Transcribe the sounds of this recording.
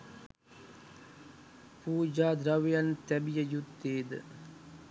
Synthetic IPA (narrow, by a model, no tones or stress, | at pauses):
puːd͡ʒaːd̪ɾɐʋjɐnt̪ɛbijɐjut̪ːeːd̪